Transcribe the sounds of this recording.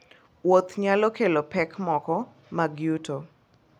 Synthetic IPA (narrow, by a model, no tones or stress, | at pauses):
wot̪ɲalɔkelopɛkmɔkɔ | maɡjuto